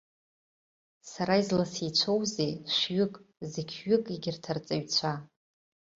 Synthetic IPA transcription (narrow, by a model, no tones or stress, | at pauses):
saɾaizlasit͡ɕʷʰowzeʃʷɥʏkʼzekʲʰɥʏkʼiɡʲɪrtʰart͡sʼaɥt͡ɕʷʰa